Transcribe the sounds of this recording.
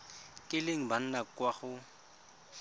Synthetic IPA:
kʼɪleŋ̩ban̩nakwaχʊ

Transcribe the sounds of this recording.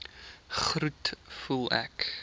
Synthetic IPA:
χɾutfulˠæ̰k

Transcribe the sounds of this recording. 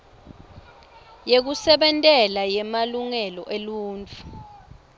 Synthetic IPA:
jek̬usɛɓɛntʼɛlajɛmaluŋɛlɔʔeluːnt͡fʰʼu̥

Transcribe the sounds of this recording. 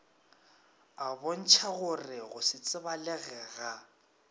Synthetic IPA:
abɔn̩t͡ʃʰaɣʊrɪɣʊsɪt͡sʼɪbalɛɣɛːɣa

